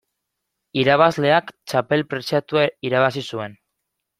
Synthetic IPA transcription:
iɾaβazle̞akt͡ʃape̞lpɾe̞sat̪uaiɾaβ̞asisue̞n

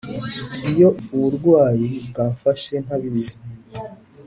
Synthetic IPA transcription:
ijo̞uβuɾɡwaːjibɡaːɱfaʃe̞n̥haβizim

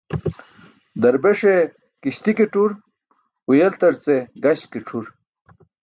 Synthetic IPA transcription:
d̪ɐɾbeʂe | kiɕt̪ikiʈuɾ | ujelt̪ɐɾt͡seɡɐɕkiʈ͡ʂʰuɾ

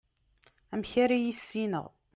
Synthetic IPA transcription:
æmçæɾijisːinə̰ʁ

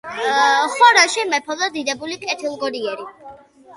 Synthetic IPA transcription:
χɔɾaʃimɛpʰɔd̪ɔd̪id̪ɛbulikʼɛt̪ʰilˠɡɔɾiɛɾi

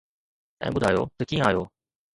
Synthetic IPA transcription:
t̪ã̰ːmud̪aːjo̰d̪̥əkĩaːjo

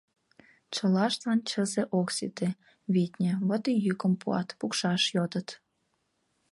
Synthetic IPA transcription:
t͡ɕə̆lɑʃt̪ɑnt͡ɕəzeʔoksit̪e | βit̪ʲnʲĕβot̪ijykə̆mpuɑ̰t̪pukʃɑʃjod̪ət̪

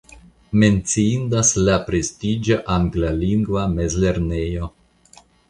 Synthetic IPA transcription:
me̞nt͡siindaslapɾestid͡ʒoʔaŋɡlaliŋɡvame̞zle̞ɾnejo̞

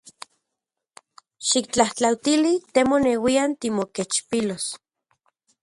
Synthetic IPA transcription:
ʃik̚t͡ɬaht͡ɬawt̪ilit̪emonewiant̪imoket͡ʃpilos

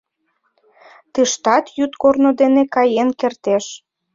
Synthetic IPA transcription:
t̪ɨʃt̪ɑt̪jyt̪kornod̪enekɑjenkert̪eʃ

